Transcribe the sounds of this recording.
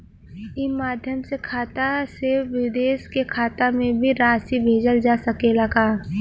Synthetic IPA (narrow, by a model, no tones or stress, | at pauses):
ɪmaːd̪ʱjəmsekʰaːt̪aseʋɪd̪eːʃkekʰaːt̪amẽbʱiɾaːsibʱeːd͡ʒəld͡ʒaːsɐkelɐɡaː